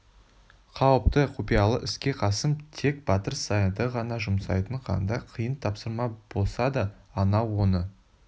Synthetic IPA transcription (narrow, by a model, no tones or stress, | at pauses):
qʰɑwəp̚t̪əqʰupijɑlˠə̰ʔɪskʲe̞qʰɑsəmt̪ʰe̞k̚b̥ɑt̪əɾsɑjəd̪əʁɑnɑʒʊmsɑ̰jt̪əɴqʰɑ̰nd̪ɑqʰəjənt̪ʰɑpsəɾmɑb̥o̞lˠsɑd̪əːnɑwo̞nə